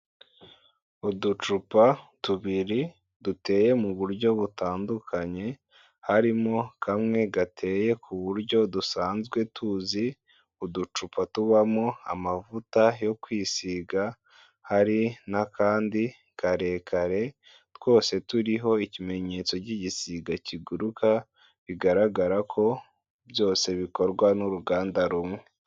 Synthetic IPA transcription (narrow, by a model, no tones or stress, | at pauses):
udut͡ʃupatuβiɾi | dute̞ːje̞muβuɾɟo̞βutaːndukʰaɲe̞ | haɾimo̞kʰamŋe̞ɡatʰe̞ːje̞kʰuβuɾɟo̞dusaːnzɡwe̞tʰuzi | udut͡ʃupʰatuβamo̞a̰mavutajo̞kwiːsiɡa | haɾinakaːndi | kʰaɾe̞kaɾe̞ | two̞ːse̞tuɾiɦo̞icime̞ɲe̞t͡so̞ciɟisiɡaciɡuɾuka | βiɡaɾaɡaɾakʰo̞ | βjo̞ːse̞βiko̞ɾɡwanuɾuɡaːndaɾumŋe